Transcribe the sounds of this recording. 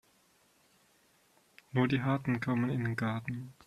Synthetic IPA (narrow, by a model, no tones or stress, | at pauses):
nuːɐdiːɦaɐtn̩kʰɔmənɪndeːnɡaɐtn̩